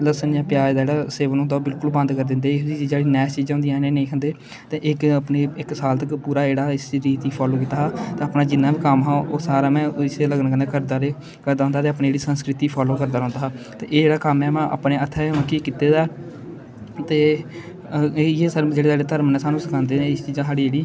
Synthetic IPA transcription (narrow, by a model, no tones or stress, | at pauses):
ləsənjãːpjaːɾd̪aːd͡ʒeːɽaːseːʋnõːd̪aːbɪlkʊlbənd̪kəɾd̪ɪnd̪eːɪsid͡ʒd͡ʒeːɽiːnɛːt͡ʃiːd͡ʒãːnd̪ijãːnẽːnẽiːkʰənd̪eː | t̪eːʔɪkːpneːɪksaːlt̪əkpuːɾaːd͡ʒeːɽaːɪsɾiːt̪iːpʰaːloːk̬iːt̪aːɦːt̪eːapnaːd͡ʒɪnːaːbiːkəmɦãːʔoːsaːɾaːmɛ̃ːɪseːləɡnːkəneːkəɾd̪aːɾeː | kəɾd̪aːɦʊ̃nd̪aːt̪eːapnẽːeːɽiːsənskɾɪt̪iːpʰaːloːkəɾd̪aːɾɔ̃ːnd̪aːɦaːt̪eːʔeːd͡ʒeːɽaːkəmɛːmãːʔa̰pneːət̪ʰːɛːmãkiːkit̪eːd̪aː | t̪eː | jeːsəd͡ʒeːɽeːsaːɖeːt̪əɾmnɛ̃ːsaːnũːsɪkʰãːnd̪eːeɪst͡ʃiːd͡ʒãsaːɽiːeːɽiː